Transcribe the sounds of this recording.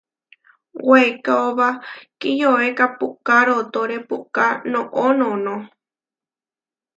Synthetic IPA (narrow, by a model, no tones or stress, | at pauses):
weekaoβakijoekapukaɾot̪oɾepukanõʔõnõnõ